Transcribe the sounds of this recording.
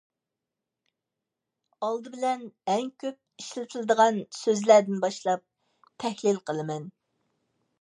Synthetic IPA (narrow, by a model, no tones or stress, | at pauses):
ɑlˠd̪ɨbɪlɛnɛŋkʲʰøp̚iʃlɪt̪ʰɨlˠɨd̪əʁɑnsøzlæɾd̪ɪnbɑʃlˠɑp̚ | t̪ʰɛhlɪlqʰəlˠɨmɛn